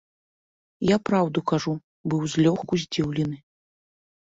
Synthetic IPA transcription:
japɾawd̪ukaʐu | bɨwzʲlʲɔxkuzʲd͡zʲiwlʲɛnɨ

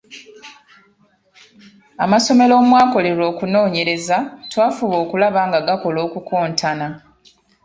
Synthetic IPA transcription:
a̰maso̞me̞lo̞ːmwaːko̞le̞ɾo̞ːkuno̞ːɲe̞ɾe̞zatwaːfuβo̞ːkulaβaːŋɡaɡako̞lo̞ːkukoːntʰana

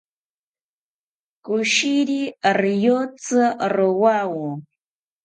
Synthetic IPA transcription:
kʊʃiɾiɾjot͡sɨɾowawʊ

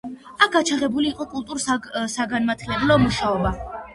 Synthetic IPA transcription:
ak̚ɡat͡ʃʰaʁɛbuliːqʼɔkʼulˠt̪ʼuɾsaɡanmat̪ʰilɛblˠɔmuʃaɔba

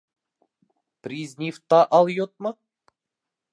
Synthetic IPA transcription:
pɾʲizʲnʲift̪ːɑʔɑlˠjot̪̚mɤ

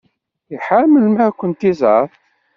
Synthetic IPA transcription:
iħamːəlmækʷːənt̪izʕəθ

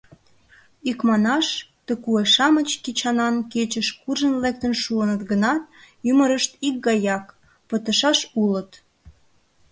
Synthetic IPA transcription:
ikmɑnɑʃt̪əkueʃɑmət͡ɕkit͡ɕɑnɑnket͡ɕəʃkurʒənlek̚t̪ənʃuənət̪ɡənɑt̪̚ | yməɾəʃt̪ik̚ɡɑjɑk | pət̪əʃɑʃulət̪

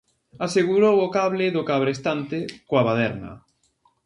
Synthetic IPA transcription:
aseɣuɾowʊkaβlɪðʊkaβɾest̪ant̪ɪkoaβaðɛɾnɐ̰

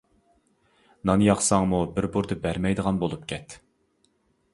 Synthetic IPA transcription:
nɑnjɑχsɑŋmubɪɾbuɾd̪ɨbæɾmɛjd̪əʁɑnbolˠup̚kʲʰɛt̪

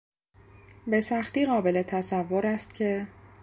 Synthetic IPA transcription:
be̞sæxt̪iːɣɒːbe̞le̞t̪ʰæsævːoɾæst̪̚cʰe̞

